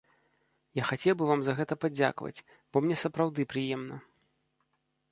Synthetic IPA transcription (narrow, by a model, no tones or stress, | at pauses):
jaxat͡sʲɛwbɨvamzɐɣɛt̪ɐpad͡zʲa̰kvɐ̰t͡sʲ | b̥ɔmnʲɛsɐpɾawd̪ɨpɾɨjɛmnɐ